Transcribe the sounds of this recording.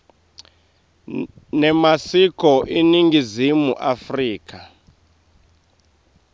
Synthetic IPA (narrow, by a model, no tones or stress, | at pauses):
nɛmasikɔʔiniŋɡizimuʔafriːka